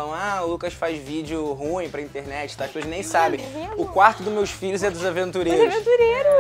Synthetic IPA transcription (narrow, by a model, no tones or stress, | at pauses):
ɐ̃w̃aʊlukɐʃfazvid͡ʒʊɦũĩpɾɐĩt̪eɾnɛt͡ʃɪ̥t̪akɪvoɪʒnẽj̃sabẽj̃ʊkwaɾt̪ʊd̪ʊmewsfiʎʊzɛd̪ʊzavẽnt̪uɾeɾɾʊvẽnt̪uɾeɾʊ